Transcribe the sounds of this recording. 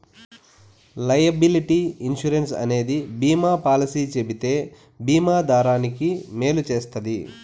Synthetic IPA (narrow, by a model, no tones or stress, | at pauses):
lɐjɐbiliʈiinʃuɾensɐ̰ne̞ːd̪ibiːmaːpaːlisiːt͡ʃe̞bit̪eː | biːmaːd̪aːɾaːnikime̞ːlut͡ʃe̞ːst̪ɐd̪i